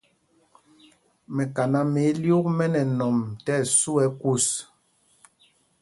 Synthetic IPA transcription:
mɛ˨ka˨na˨me˨˦ljo˦kmɛ˦nɛ˨nɔ˨mtɛ˦˨su˦ɛ˨˦ku˦˨s

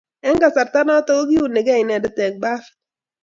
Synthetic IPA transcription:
ɛ˦ŋɡa˨sa˨ɾt̪a˦nɔ˦to˦ɡo˦ɡi˦u˨ne˨ɡɛ˦ɪ˨nɛ˨dɔ˦tɛ˨k̚ba˦f

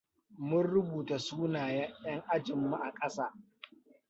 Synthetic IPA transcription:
mʊ˦nɽʊ˦buː˨ta˨suː˦naː˨ja˦jɐ˦ŋʔa˦d͡ʒɪ˨mːu˦ʔa˨kʼɐ˦saː˦

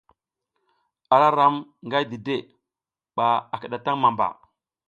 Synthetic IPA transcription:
a˨ɾa˦ɾa˦mŋɡa˦jdi˨de˦˨ | ɓa˨a˨kə˨ɗa˨ta˦ŋma˨mba̰˨

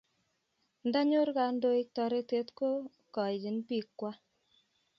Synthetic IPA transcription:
nda˦ɲo˦ɾka˨ndo˦jtɔ˧ɾe˦te˦tko˦ | kɔ˨i˨d͡ʒi˨npi˦kːwa˦

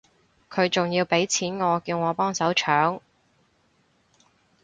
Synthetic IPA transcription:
kʰɵ˨˧ɥt͡sʊ˨ŋjiː˧wpe˨˥jt͡sʰiː˨˥nŋɔː˨˧kiː˧wŋɔː˨˧pɔː˥ŋsɐ˨˥wt͡ʃʰœː˨˥ŋ

